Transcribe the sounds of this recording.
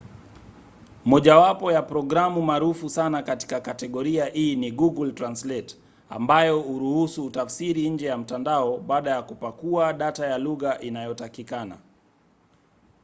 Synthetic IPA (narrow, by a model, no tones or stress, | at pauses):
mɔʄawapɔjapɾɔɡɾamumaɾufusanakati̥kakatɛɠɔɾiahiːniɡuɡultɾanslɛt | a̰mbajɔuɾuhusuːtafsiɾiɲ̩d͡ʒɛjam̩tandaɔɓaːɗajakupakuaɗatajaluɣaʔinajɔtakikana̰